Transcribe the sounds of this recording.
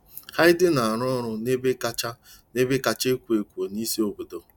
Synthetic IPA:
ha˦ɪ˦dɪ˦na˨a˨ɾɔ˦ɔ˦ɾʊ˨ne˦be˦ka˦t͡ʃa˦ | ne˦be˦ka˨t͡ʃe˦kʷu˨e˨kʷu˨o˨ni˦si˦o˦bo˨do˨

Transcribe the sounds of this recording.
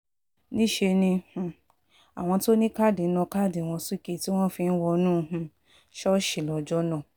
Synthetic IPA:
nĩ˦ʃe˧nĩ˧h̩˨ | a̰˨w̃ɔ̃˧to˦nĩ˦ka˦˨di˨˦nɔ̃˧ka˦˨de˨w̃ɔ̃˧su˦ke˦˨ti˦w̃ɔ̃˦fĩ˧n̩˦wɔ˧nũː˦˧˦ɦũ˧ | ʃɔ˦ʃi˨lɔ˨d͡ʒɔ˦nɔ̃˦˨

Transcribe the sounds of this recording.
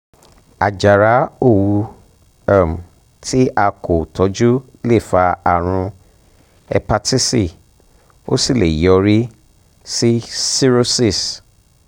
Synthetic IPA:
a˨d͡ʒa˨ɾa˨˦o˦˨wu˧ | a˦˨m̩˨ | tʰi˦a˧ko˨tʰɔ˨˦d͡ʒu˦ | le˦˨fa˧a˨ɾ̃ũ˧ | ɛ̰˧pa˧tʰi˦si˦˨ | o̰˦si˦˨le˨jɔ˧ɾi˦ | si˦si˦ɾo˦si˦˨s

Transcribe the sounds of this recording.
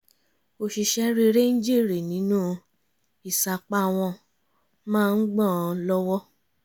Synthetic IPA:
o˧ʃi˧ʃɛ˦ɾe˦˧ɾe˦nĩ˦d͡ʒi˦˨ɾe˨nĩ˨˦nũ˦ | i˨sa˨k͡pa˦˨w̃ɔ̃˧ | mãː˦˧n̩˦ɡ͡bɔ̃˦˨˧lɔ˦wɔ˦

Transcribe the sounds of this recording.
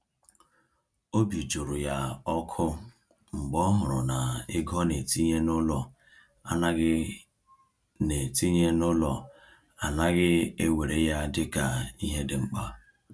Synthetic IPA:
o˦bi˨d͡ʒu˨ɾʊ˨ja˦ɔ˦kʰʊ˦ | ŋ͡m̩˨ɡ͡bɔ˦ɦʊ˨ɾʊ˨na˨ɪ˦ɡɔ˦ne˨ti˦ɲe˦nʊ˦lɔ˨ | a̰˨na˦ɡɪ˦ | ne˨ti˦ɲe˦nʊ˦lɔ˨ | a˨na˦ɣɪ˦e˦we˨ɾe˨ja˦dɪ˦ka˨i˦ɦe˦dɪ˨ŋ͡m̩˦k͡pa˦

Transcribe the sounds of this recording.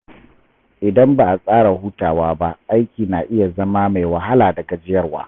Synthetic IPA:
ʔɪ˨dɐ˦mba˨ʔa˨sʼaː˦ɽa˨huː˦taː˨waː˦ba˦ʔa˦jkʲiː˨naː˨ʔɪ˦ja˨zɐ˦maː˦ma˨jwɐ˨ɦa˦laː˨dɐ˨ɡa˨d͡ʒɪ˦jɐ˦rwa̰ː˦

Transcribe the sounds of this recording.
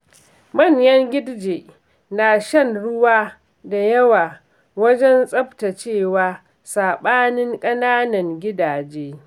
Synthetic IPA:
mɐ˦˨ɲjɐ˦ŋɡʲɪ˦dd͡ʒe˨ | naː˨ʃɐ˦˨nɽʊ˦waː˦ | da˨jɐ˦waː˨ | wɐ˦d͡ʒɛ˦nsʼɐ˦bta˨t͡ʃeː˦˨waː˦ | saː˨ɓaː˦nɪ˦ŋkʼɐ˦naː˦nɐ˨ŋɡʲɪ˦daː˨d͡ʒeː˦

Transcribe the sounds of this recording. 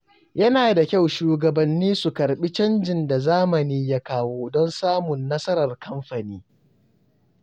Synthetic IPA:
jɐ˦naː˨da˨kʲa˦˨wʃuː˨ɡɐ˨bɐ˨nːiː˦su˨kɐ˨ɾɓi˦t͡ʃɐ˦nd͡ʒɪ˨nda˨zaː˦mɐ˨niː˦ja˦kaː˦woː˦dɔ˦nsaː˦mʊ˨nːɐ˦sɐ˦ɾɐ˨rkɐ˦mɸɐ˨niː˦

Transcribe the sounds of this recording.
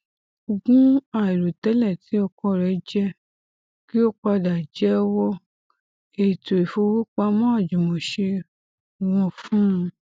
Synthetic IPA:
o˨ɡũ˦a˦˨i˨ɾo˨tɛ˨˦lɛ˦˨ti˨˦ɔ˧kɔ˧˨ɾɛ˨˦d͡ʒɛ˦ | ki˦o˦k͡pa˧da˨d͡ʒɛ˨˦wɔ˦ | e˨to˨i˨fo˧wo˦k͡pa˧mã˦a˦˨d͡ʒũ˨mõ˨ʃe˧˨ | ɾ̃ɔ̃˧˨fũ˦˧

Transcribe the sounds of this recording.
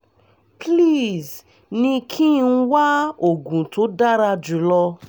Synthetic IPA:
pli˦˨z | nĩ˧kʰĩ˦˧n̩˦wa˦o˨ɡũ˨to˨˦da˦ɾa˧d͡ʒu˨˦lɔ˧

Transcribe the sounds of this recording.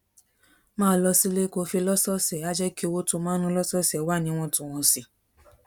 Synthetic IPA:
mãː˦lɔ˧si˦le˦ko˧fi˧lɔ˦sɔ˦sɛ˨a˦d͡ʒɛ˦ki˦o˧wo˦to˧˦mãː˦nũ˦lɔ˦sɔ˦sɛ˨˦wa˦˨nĩ˧˦w̃ɔ̃˧tũ˨w̃ɔ̃˧si˧

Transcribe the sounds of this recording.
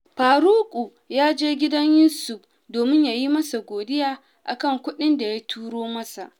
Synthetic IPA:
ɸaː˨ɾu˦kʷʼu˨ | jaː˦d͡ʒeː˦ɡʲɪ˦dɐ˦ɲjuː˦sʊ˨ɸ | doː˨mɪ˦ɲjaː˨ji˦mɐ˦sa˨ɡʷoː˨dɪ˦jaː˦ | ʔa̰˨kɐ˦˨ŋkʷʊ˦ɗɪ˦nda˨ja˦tʰuː˦ɽoː˦mɐ˦sa˨ʔ

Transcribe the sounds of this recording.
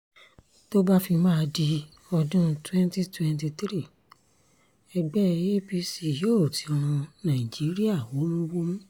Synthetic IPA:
to˦ba˦fi˧mãː˦˧di˧ | ɔ˧dũ˦˧twɛ̃˦nti˦twɛ̃˧nti˧t̪ɾi˦˨ | ɛ˧ɡ͡bɛ˦˧˨je˦pi˧si˨jo˦o˦˨ti˨˦ɔ˧ɾ̃ũ˧nã˨i˨d͡ʒi˨˦ɾi˦a˦˨wo˨˦mũ˦wo˦mũ˦

